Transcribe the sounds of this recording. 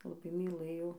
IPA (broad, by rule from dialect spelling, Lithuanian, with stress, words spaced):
lˠɐˈbɐɪ mʲiːˈlˠɘjɛʊ